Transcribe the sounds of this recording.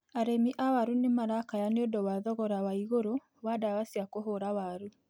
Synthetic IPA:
aɾemiʔawaɾunemaɾakajaneodɔwaðɔɣɔɾawaiɣoɾo | wadawasiakoɦoɾawaɾu

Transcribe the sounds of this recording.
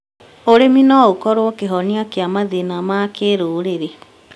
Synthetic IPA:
oɾeminɔokɔɾokeɦɔniakeamaðenamakeɾoɾeɾe

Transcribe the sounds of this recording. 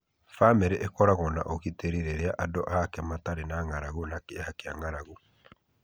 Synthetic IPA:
famɛɾeʔekɔɾaɣɔna̰ʔokiteɾiɾeɾeaʔadɔʔakɛmataɾenaŋaɾaɣunakehakeaŋaɾaɣu

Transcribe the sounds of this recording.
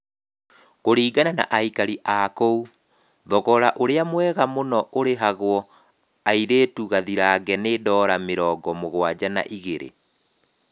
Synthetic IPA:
koɾiːɡanana̰ʔaikaɾiʔakou | ðɔɣɔɾaʔoɾeamwɛɣamonɔʔoɾeɦaɣwɔ | aiɾeːtuɣaðiɾaːɣɛneːdɔːɾameɾɔːɡɔmoɣwad͡ʑana̰ʔiɣeɾḛ

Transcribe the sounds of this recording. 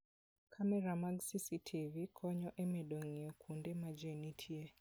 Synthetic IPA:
kʰamɛɾamaɡsisitʰivikʰɔɲɔʔemedoŋiɔkʰundemad͡ʒenitʰie

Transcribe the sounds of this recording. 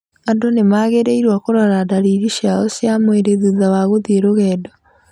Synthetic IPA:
andonemaɣeɾeiɾwakoɾɔɾadaɾiɾiɕjaɔsjamweɾeðuðawaɣoðieɾoɣɛːdɔ

